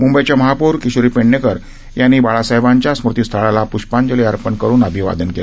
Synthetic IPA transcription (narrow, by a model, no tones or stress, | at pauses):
mumbəjt͡ɕaməɦapuɾkiɕuɾiːpeɳːekəɾ | janːiːbaɭasajbaɲt͡ɕjasmuɾt̪ist̪ʰəɭalapuɕpaɲd͡ʑəleaɾpənkəɾuːnəbʱiʋa̰d̪ənkela